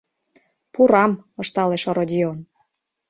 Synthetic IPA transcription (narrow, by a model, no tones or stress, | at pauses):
puɾɑmɤʃt̪ɑleʃoɾodʲion